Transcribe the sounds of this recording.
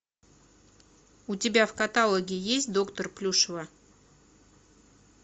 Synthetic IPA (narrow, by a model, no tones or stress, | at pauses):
ʊtʲɪbʲafkɐt̪alˠəɡʲɪjesʲtʲd̪o̞kt̪ərplʲuʂəvə